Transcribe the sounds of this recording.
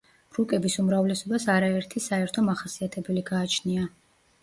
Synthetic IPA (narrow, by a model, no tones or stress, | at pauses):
ɾukʼɛbisumɾavlɛsɔbasaɾaɛɾt̪ʰisaɛɾt̪ʰɔmaχasiat̪ʰɛbɛliɡaːt͡ʃʰnia